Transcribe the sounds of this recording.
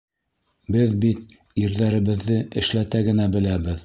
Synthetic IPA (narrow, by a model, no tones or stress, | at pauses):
bɘðbit̪̚ | iɾðæɾɘ̆βɘ̆ðːɘʔɘ̰̆ʃlæt̪æɡɘ̆næbɘ̆læβɘð